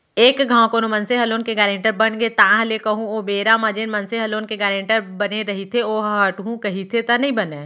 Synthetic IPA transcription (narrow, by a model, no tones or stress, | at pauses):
eːkɡʱãːkoːnumɐnseɦɐloːnkeɡaːɾẽɳʈəɾbɐnɡet̪ãɦɐlekɐɦũoːbeːɾamɐd͡ʒenmɐnseɦɐloːnkeɡaːɾẽːɳʈəɾbɐneɾɐɦit̪ʰeoːɦɦəʈɦũkɐɦit̪ʰet̪ɐnɐɦĩbɐneː